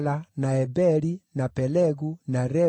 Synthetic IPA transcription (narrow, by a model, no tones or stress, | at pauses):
lanaɛbɛlinapɛlɛɡunaɾɛ